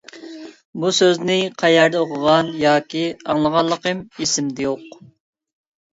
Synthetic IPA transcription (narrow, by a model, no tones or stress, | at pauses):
busøznɪqʰɑjæɾd̪ɛoqʰʊʁɑnjɑːkʲiɑŋlˠəʁɑlˠːəqəmisɪmd̪ɛjoq